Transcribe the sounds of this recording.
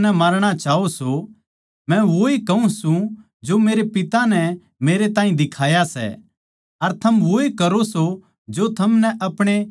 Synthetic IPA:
nɛmɐɾɽ̃at͡ʃaːoso | mɛ̃ʋoikɐũsũ | d͡ʒomeːɾepɪt̪anɛ | meːɾet̪ãːĩd̪ɪkʰaːjasɛ̰ | ɐɾt̪ʰɐmʋoekɐɾoso | d͡ʒot̪ʰɐmnɛʔɐpɽ̃e

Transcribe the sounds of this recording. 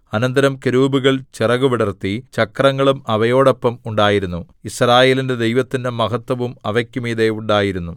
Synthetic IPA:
ɐnɐnd̪ɐɾɐmkeɾuːbuɣɐɭt͡ɕirɐɣuʋiɽɐrt̪ːit͡ɕɐkrɐŋːɐɭumɐʋɐjo̞ːɽopːɐmuɳɖaːjiɾunːu | israːje̞ːlinde̞d̪e̞jʋɐt̪ːindemɐɣɐt̪wɐʋumɐʋɐkʲːumiːd̪euɳɖaːjiɾunːu

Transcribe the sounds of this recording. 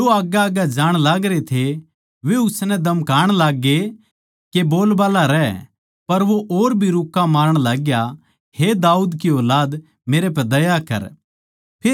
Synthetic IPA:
oaːɡaaːɡad͡ʒaːɽ̃laːɡɾet̪ʰe | ʋeʊsnɛd̪ɐmkaːɽ̃laːɡːe | keboːlbaːlaɾɛː | pɐɾʋoʔoːɾbʱiɾʊkːamaːɾəɽ̃laːɡja | hed̪aːuːd̪kioːlaːd̪ | meːɾep̬ɛd̪ɐjakɐ̰ɾ | pʰeː

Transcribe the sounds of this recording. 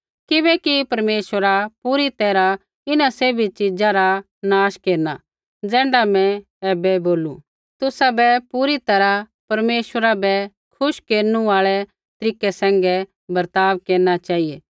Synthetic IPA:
kɪbɛkipɐɾmeːʃəɾapuːɾit̪ɛːɾa | ɪnaseːbʱit͡ʃɪd͡zaɾa | naːʃkeːɾna̰ | d͡zɛ̃ːɳɖamɛ̃ | ɛːbɛboːlṵ | t̪ʊsabɛpuːɾit̪ɐɾa | pɐɾmeːʃwəɾabɛ | kʰʊʃkeːɾnũaːɭɛ | t̪ɐɾiːkɛsɛ̃ːŋ̆ɡɛ | bɐɾt̪aːʋkeːɾnat͡ʃaːijɛː

